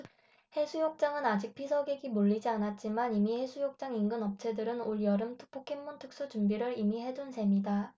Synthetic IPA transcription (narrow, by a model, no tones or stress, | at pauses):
he̞sʰujok̚t͡ɕ͈aŋɯnad͡ʑik̚pʰisʰʌɡeɡimoʎːid͡ʑianat̚t͡ɕ͈imanimihe̞sʰujok̚t͡ɕ͈aŋiŋɡɯnʌp̚t͡ɕʰe̞dɯɾɯnoɭjʌɾɯmtʰɯ̥pʰokʰemːuntʰɯk̚s͈ut͡ɕumbiɾɯɾimiɦe̞dunsʰe̞mida